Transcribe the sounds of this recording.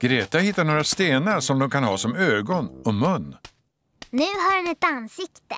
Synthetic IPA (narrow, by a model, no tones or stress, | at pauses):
ɡ̥ɾeːt̪ahɪt̪ːaɳoːɾast̪eːnaɾʂɔmd̪ɔmkʰanɦɑːsɔmøːɡɔnɔmɵnː | nʉ̟ːɦaɾɛnɛt̪ansɪkt̪ə